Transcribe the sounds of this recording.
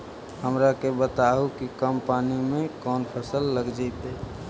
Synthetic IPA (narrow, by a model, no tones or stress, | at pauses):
həmɾakebət̪aɦukikəmpanimẽkɔnpʰəsəlːəɡd͡ʒaɪt̪e